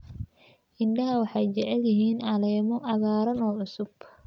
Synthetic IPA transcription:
ʔɪnɖɐɦɐwɑħɑjt͡ʃɐʕɛljɐɦiːnʔɑlɛːmɔʔɐɣaːɾɐnɔːʕʊsʊb

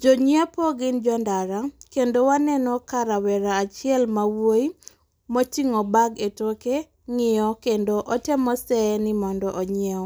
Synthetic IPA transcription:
d͡ʒoɲiapɔɡɪnd͡ʒɔndaɾakendowanɛnɔkaɾawɛɾaːt͡ʃɪɛlmawoji | mot͡ʃiŋɔbaɡetoke | ŋɪjɔkendoʔɔtɛmɔsɛnɪmɔndɔʔoɲɛ

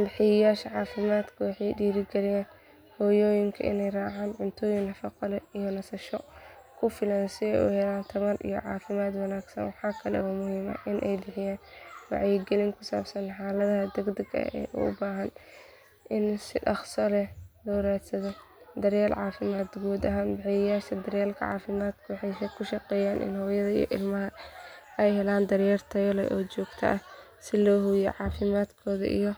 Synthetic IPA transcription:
bɪħɪjɐjaːʃɐʕɑːfɪmaːd̪kʰɐwɑħɑjɖiːɾɪɡɛlɪjaːn | hɔːjɔːjɪŋkʰɐʔɪ̰nɛjraːʕaːnʕʊnt̪ʰɔːjɪŋnɐfɑqɑlɛijɔnɐsɐʃɔkʰʊfɪlansɪɛ̰jʔṵhɛlaːnt̪ʰɐmɐrʔḭjɔ̰ʕɑ̰ːfɪmaːd̪wɐnaːɡsɐ̰nwɑħɑːkʰɐlɛ̰ɔːmʊhiːmɐ̰ʔɪnʔɛjbɪħɪjaːnwɑ̰ʕjɪɡɛlɪŋkʰʊsa̰ːbsɐnħaːlɐðɐɦɐd̪ɛɡd̪ɐɡɐ̰ɛ̰ːʔṵʔʊ̰baːɦɐn | ʔɪnsɪʔɐχsɔlɛlɔːɾaːd̪sɐðɔ | d̪ɐɾjaːlʕɑːfɪmaːd̪ɡuːd̪ɐɦaːnbɪʕɪjɐjaːʃɐd̪ɐɾjaːlkʰɐ̰ʕɑ̰ːfɪmaːd̪kʰʊwɑħɑjskʰʊʃɐqɛːjaːnʔɪ̰nhɔːjɐðɐḭjɔ̰ʔɪ̰lmɐɦɐ | ɛjhɛlaːnd̪ɐrjɛrt̪ʰɐjɔlɛ̰ʔɔːt͡ʃɔːɡt̪ʰɐ̰ʔɐ | sɪlɔːhʊjɛ̰ʕɑːfɪmaːd̪kʰɔːðɐ̰ʔḭjɔ

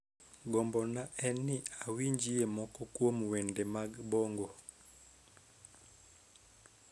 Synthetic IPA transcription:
ɡɔmbɔnaɛniawiɲd͡ʒiɛmɔkɔkwomuwɛndɛmabɔŋɡɔ

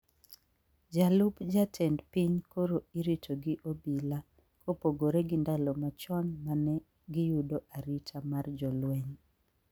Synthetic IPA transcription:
d͡ʒalupd͡ʒatʰɛndpiɲkoɾoiɾitoɡɪʔobila | kopoɡoɾɛɡɪndalɔmat͡ʃɔnmanɛ | ɡɪjudoʔaɾitʰamard͡ʒɔlwɛɲ

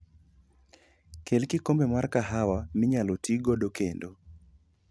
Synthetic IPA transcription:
kʰelkɪkombemarkaɦawamɪɲalotiɡɔdokendo

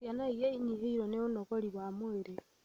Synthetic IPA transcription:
janaijeiɲiɦiiɾoneunokoliβwamoeɾe

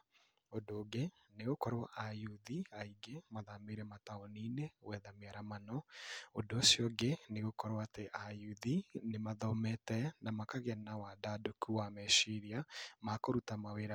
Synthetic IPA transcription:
odoɡe | neɣokɔɾwaʔajuðiaiɡemaðameɾɛmataɔninewɛðameaɾamanɔodoːsjɔɡeneɣokɔɾwateʔajuðinemaðɔmɛtɛnamakaɣɛnawadadokuwamɛʃiɾiamakoɾutamaweɾa

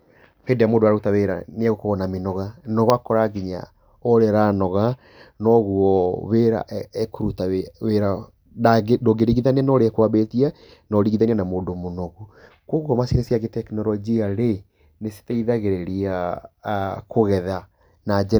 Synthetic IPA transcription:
peːndejamoːdoaɾautaweɾa̰neaɣokoɣɔnamenɔɣanɔɣakɔɾaɡiɲa̰ | ɔɾeɾanɔɣa | nɔɣuɔβeɾa̰ʔɛkoɾutaeweɾa | adoɡeɾiɣiðanɛnɔɾeɛkwaβetia | nɔɾiɣiðanianamoːdomonɔɣu | kwokɔmasinesjaɣetɛknɔɾɔd͡ʒiaɾe | nese̥taiðaɣeɾeɾia | koɣɛða | nad͡ʒɛ

